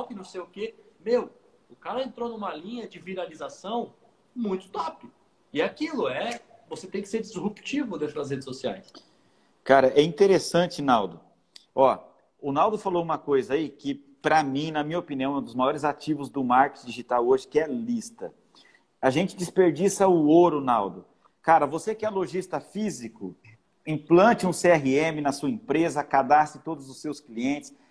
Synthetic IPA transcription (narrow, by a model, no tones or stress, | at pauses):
awkɪnɐ̃w̃sejʊkemew | ʊkaɾɐẽnt̪ɾonũmɐlĩɲɐd͡ʒɪviɾalizasɐ̃w̃ | mũj̃t̪ʊ̥t̪ɔpʊ | ɪakilʊɛ | voset̪ẽj̃kɪseɾd͡ʒɪzhupt͡ʃivʊd̪ẽt̪ɾʊd̪ɐs̬ɦed͡ʒɪsosia̰js | kaɾɐʔɛĩnt̪eɾesɐ̃nt͡ʃɪnawd̪ʊ | ɔ | ʊnawd̪ʊfaloũmɐkojzɐaikɪ | pɾɐmĩnɐmĩɲɐopiniɐ̃w̃ɛũd̪ʊzmajɔɾɪzat͡ʃivʊzd̪ʊmaɾke̥t͡ʃd͡ʒiʒit̪awoʒɪkɪɛlist̪ɐ | aʒẽnt͡ʃɪd͡ʒɪspeɾd͡ʒisɐʊoɾʊnawd̪ʊ | kaɾɐvosekɪɛloʒist̪ɐfizikʊ | ĩplɐ̃nt͡ʃɪũseɛɦɪẽmɪnɐsuɐĩpɾezɐkad̪asɪt̪od̪ʊzʊsːewskliẽnt͡ʃɪ̥s